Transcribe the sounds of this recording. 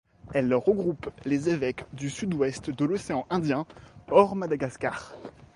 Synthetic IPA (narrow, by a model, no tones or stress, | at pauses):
ɛlːʁəɡʁuplezevɛkd̪ysyd̪wɛst̪d̪əlɔseɑ̃ʔɛ̃d̪jɛ̃ɔʁmad̪aɡaska̰ːʁ